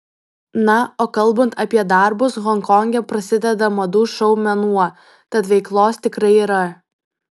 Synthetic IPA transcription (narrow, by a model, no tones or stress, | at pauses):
nɐoːkɐlˠˑbɐnt̪ɐpʲiɛd̪ɐˑɾbʊsɣɔŋkɔŋʲɡʲɛpɾɐsʲɪd̪ʲɛd̪ɐmɐd̪uːʃɐʊmʲɛnuɔ | t̪ɐt̪ʋʲɛɪklˠoːst̪ʲɪkɾɐɪiːɾɐ